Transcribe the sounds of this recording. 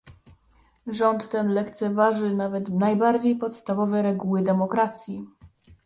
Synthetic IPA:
ʐɔnt̪ːɛnlɛkt̪sɛvaʐɘnavɛt̪najbaɾd͡ʑejpɔt̪st̪avɔvɛɾɛɡuwɘd̪ɛmɔkɾat̪sʲji

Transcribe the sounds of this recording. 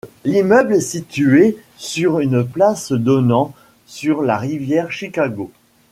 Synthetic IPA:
limœblɛsit̪ye | syʁynplasd̪ɔnɑ̃ | syʁlaʁivjɛʁʃikaɡo

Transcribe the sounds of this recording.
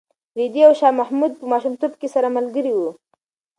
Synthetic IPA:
ɾid̪iawʃɑmahmud̪̚pəmɑʃumt̪obkesaɾamalɡəɾiwu

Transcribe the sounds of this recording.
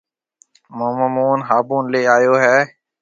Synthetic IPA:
məːməmuːnɦaːbũːnleːaːjoːɦɛː

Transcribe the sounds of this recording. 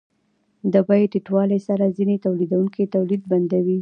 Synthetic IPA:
d̪əbɑjʈiʈwɑlesaɾazinet̪awlid̪awuŋket̪awlid̪̚band̪awi

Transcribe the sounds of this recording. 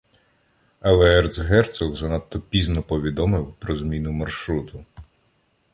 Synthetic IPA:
ɐlˠɛɛrt̪sɦɛrt̪sɔɣzɐnat̪ːɔpʲiznɔpɔʋʲid̪ɔmɪwpɾɔzmʲinʊmɐrʃɾut̪ʊ

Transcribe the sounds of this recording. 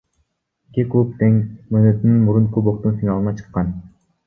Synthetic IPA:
kʲekupt̪eŋmønøt̪ynynmuɾunkoboq̚t̪unsiŋɑlˠɯnɑt͡ʃʰɯ̥qːɑn

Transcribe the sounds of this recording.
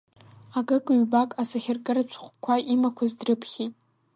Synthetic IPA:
aɡɨkʼɥbakʼasaχʲɪrkʼɨɾat͡ɕʷʰχʷkʷʰaʔimakʷʰazdrɨpʰχʲejtʼ

